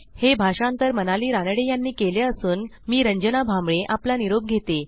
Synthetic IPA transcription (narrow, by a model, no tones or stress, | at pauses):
hebʱaʂãnt̪əɾmənaliːɾanɽejanːiːkeljaəsuːn | miːɾəɲd͡ʑənabʱamɭeʔaplaniɾob̚ɡʱet̪e